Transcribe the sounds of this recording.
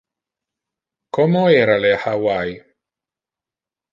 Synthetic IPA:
kɔmoeːɾalehawaj

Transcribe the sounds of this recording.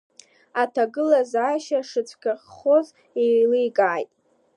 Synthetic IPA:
atʰaɡɨlazaːʃaʂɨt͡sʷʰkʲʰaχχoz | elijɡʼaːjtʼ

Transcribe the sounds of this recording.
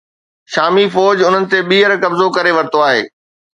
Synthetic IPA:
ʃaːmifɔːd͡ʑʊn̤ənɪ̆t̪eɓiːɦəɾkɐbzokɐɾeʋɐɾɪt̪oaːɦḛː

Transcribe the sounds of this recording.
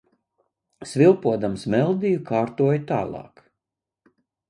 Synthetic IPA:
svʲilˠpuɔd̪amsmɛlˠd̪ijukaːɾt̪uɔjt̪a̰ːlˠɑ̰ːk

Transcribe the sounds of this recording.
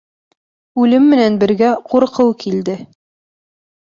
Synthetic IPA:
ʉlɘmːɘ̆nænbɘ̆ɾɡæquɾqɤwkʰild̪ɘ

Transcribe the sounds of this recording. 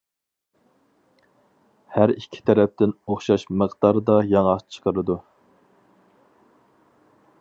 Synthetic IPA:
hæɾikʲʰːi̥t̪ʰɛɾɛp̚t̪ɪnoχʃɑʃməqd̪ɑɾd̪ɑjɑŋɑt͡ʃʰə̥qʰəɾɨd̪u

